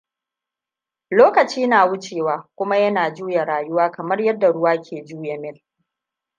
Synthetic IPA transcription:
loː˦kɐ˨t͡ʃiː˦naː˨wʊ˦t͡ʃeː˨waː˨kʷʊ˦ma˦jɐ˦naː˨d͡ʒuː˦ja˨ɾaː˨jʊ˦waː˦kɐ˨mɐ˦rjɐ˦dːa˨ɽʊ˦waː˦kʲʰeː˨d͡ʒuː˦ja˨mɪ˦l

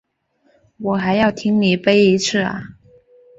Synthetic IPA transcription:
wɔ˨˩xa˧˥ɪjɑ˥˩ʊt̪ʰi˥ŋni˨˩pe˥ɪi˧˥t͡sʰɹ̩˥˩ɐ̰˨˩

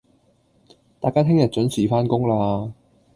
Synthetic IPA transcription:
t̪aː˨jkaː˥t̪ʰɪ˥ŋjɐ˨t̚t͡ʃɵ˨˥nsiː˨˩faː˥nkʊ˥ŋlaː˧

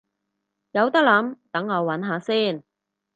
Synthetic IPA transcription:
jɐ˨˧wt̪ɐ˥k̚lɐ˨˧˥mt̪ɐ˨˥ŋɐ˨˧wːɐ˨˥nɦaː˨˧siː˥˩n

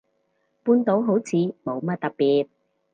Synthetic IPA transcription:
puː˧nt̪o˨˥wɦo˨˥wt͡sʰiː˨˧mo˨˧wmɐ˥t̪̚ɐ˨k̚piː˨t̚

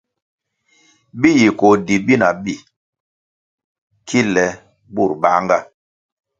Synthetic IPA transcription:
bi˦ji˨ko˨di˨bi˦na˨bi˦˨ | kʰi˦lɛ˨ | bu˦˨ɾba˦ŋɡa˦

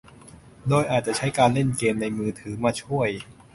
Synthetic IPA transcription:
doː˧jʔaː˨˩t̪̚t͡ɕa˨˩ʔt͡ɕʰa˦˥jkaː˧nle˥˩nkeː˧nːa˧jmɯː˧t̪ʰɯː˩˦maː˧˩t͡ɕʰu˥˩əj

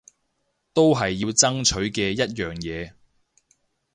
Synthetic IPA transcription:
t̪o˥wɦɐ˨jːiː˧wt͡sɐ˥ŋt͡ʃʰɵ˨˥ɥkɛː˧jɐ˥t̚jœː˨ŋjɛː˨˧

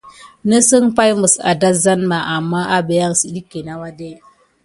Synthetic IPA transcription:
nə˦sə˦ŋpa˦jmɨ˨sa̰˨da˦za˦nma˨ʔa˨mːa˦ʔa˦be˨ja˦ŋsi˨ɗi˦kːe˨na˦wa˦de˦

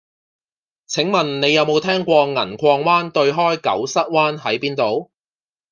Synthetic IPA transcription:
t͡sʰɪ˨˥ŋmɐ˨nne˨˧jɐ˨˧wmo˨˧wt̪ʰɛː˥ŋkʷɔː˧ŋɐ˨˩nkʰɔː˧ŋwaː˥nt̪ɵ˧ɥɦɔː˥jkɐ̰˨˥wsɐ˥t̚waː˥nɦɐ˨˥jpiː˥nt̪o˨˧w

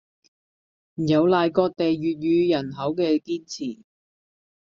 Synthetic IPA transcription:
m̩˨˩jɐ˨˧wlaː˨˧jkɔː˧k̚t̪e˨jːyː˨t̚jyː˨˧jɐ˨˩nɦɐ˨˥wkɛː˧kiː˥nt͡sʰiː˨˩

